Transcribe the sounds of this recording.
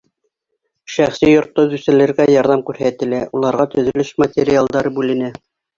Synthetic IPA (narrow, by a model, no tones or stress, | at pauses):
ʃæχsijŏɾt̪ːŏðʉsɘ̆lɘ̆ɾɡæjɑɾðɑmkʉɾhæt̪ɘ̆læʔulˠɑɾʁɑt̪ɵ̆ðɵ̆lɘʃmat̪ʲeɾʲɪalˠd̪ɑɾɤbʉlɘ̆næ